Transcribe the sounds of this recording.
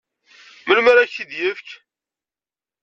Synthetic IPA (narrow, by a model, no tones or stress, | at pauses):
məlməɾæçid̪jəfk